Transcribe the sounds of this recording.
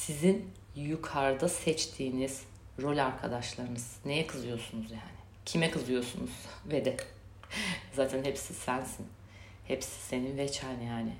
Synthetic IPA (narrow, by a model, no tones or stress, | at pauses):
sizin | jukʰaɾd̪asɛt͡ʃt̪ʰiːniz̥ | ɾo̞lʲaɾkʰad̪aʃlˠaɾɯnɯz̥ne̞jɛkʰɯzɯjo̞sunuzjaːnɪ | cʰimɛkɯzɯjo̞sunuz̥ved̪ɛ | zaːt̪ʰænhepsisænsin | hepsi̥se̞ninvɛt͡ʃʰænijaːnɪ